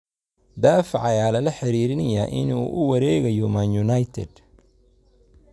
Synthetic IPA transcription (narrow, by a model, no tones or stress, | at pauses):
d̪aːfʕɑjaːlɐlɐħɪɾiːɾɪnɐjɐʔɪ̰nṵːʔʊwɐɾɛːɣɐjɔmanjʊnajt̪ʰɛ̰d̪